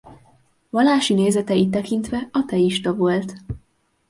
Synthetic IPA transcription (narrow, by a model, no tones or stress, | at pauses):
vɒlːaːʃineːzɛt̪ɛit̪ːɛkint̪ʋɛɒt̪ɛiʃt̪ɒvo̞lt̪